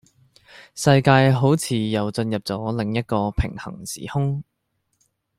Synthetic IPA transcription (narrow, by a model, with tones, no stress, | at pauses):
sɐ˧jkaː˧jɦo˨˥wt͡sʰiː˨˧jɐ˨wt͡sɵ˧njɐ˨p̚t͡sɔː˨˥lɪ˨˩ŋjɐ˥t̚kɔː˧pʰɪ˨˩ŋhɐ̰˨˩ŋsḭː˨˩hʊ˥ŋ